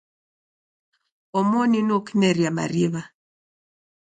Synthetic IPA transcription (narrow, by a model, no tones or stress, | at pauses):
ɔmɔninokinɛɾiama̰ɾiβa